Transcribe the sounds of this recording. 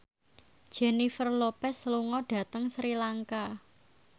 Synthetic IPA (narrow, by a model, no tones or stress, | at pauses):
d̥ʒ̥ɛ̤nifərlopɛsluŋɔɖ̥a̤t̪əŋsɾilaŋka